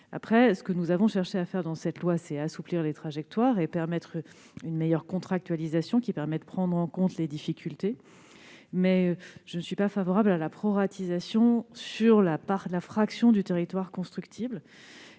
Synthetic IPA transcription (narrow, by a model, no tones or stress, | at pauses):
a̰pχɛsə̥kənuzavɔ̃ʃɛʁʃeafɛʁd̪ɑ̃sɛt̪lwasɛasupliʁlet̪χaʒɛk̚t̪waːʁepɛʁmɛt̪χ | ynmejœʁkɔ̃t̪χak̚t̪ɥalizasjɔ̃kʲipɛʁmɛd̪əpχɑ̃d̪ʁɑ̃kɔ̃t̪led̪ifikʲʰylt̪e | mɛʒ̥ənsɥipafavɔʁablalapχɔʁat̪ʰizasjɔ̃syʁlapaʁlafχaksjɔ̃d̪yt̪eʁit̪waʁkɔ̃st̪χykt̪ʰibl